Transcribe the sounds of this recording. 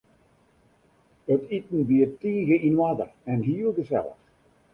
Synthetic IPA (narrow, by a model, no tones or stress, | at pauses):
ətʰitn̩biətiːɣəinwadə̰rɛnɦiːəlˠɡəsɛ̰lˠə̰x